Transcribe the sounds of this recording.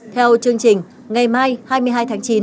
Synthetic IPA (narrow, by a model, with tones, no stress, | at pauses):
t̪ʰɛ˧wt͡ɕɨ˧əŋt͡ɕï˨˩ŋ̟ | ŋa˨˩jmaː˧˩jhaː˧jmɨ˧əjɦaː˧jt̪ʰaː˨˦ŋt͡ɕi˨˦